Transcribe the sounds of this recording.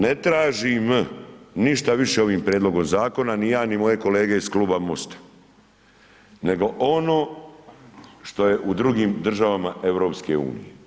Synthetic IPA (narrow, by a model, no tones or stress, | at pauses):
net̪ɾaːʒim | niʃt̪aʋiʃe̞o̞ʋiːmpɾʲjeːd̪lˠo̞ɡo̞mzaːko̞nanijaːnimo̞je̞ko̞le̞ːɡe̞iskluːbamost̪ḁ | ne̞ɡo̞ʔono̞ː | ʃt̪o̞je̞ʔud̪ɾuɡiːmd̪r̩ʒaʋamaʔe̞ʋɾo̞ːpske̞ṵːnḭje